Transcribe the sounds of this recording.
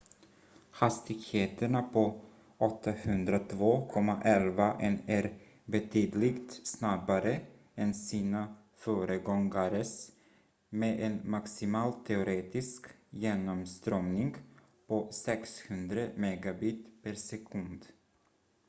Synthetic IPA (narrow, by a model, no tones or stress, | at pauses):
hast̪ɪɡheːt̪əɳapʰɔ | ɔt̪ʰːahɵnd̪ɾat̪ʰvoːkʰɔmːaʔɛlvaʔɛnæɾ | bɛt̪ʰyːd̪lɪɡt̪snabaɾə | ɛnsiːna | fœːɾəɡɔŋɡaɾəs | meɛnmaksɪmɑːlt̪ʰɛʊɾeːt̪ɪskjeːnɔmst̪ɾœmnɪŋɡ | pʰɔsɛkshɵnd̪ɾəmɛɡabiːt̪pʰæɾsɛkʰɵnd̪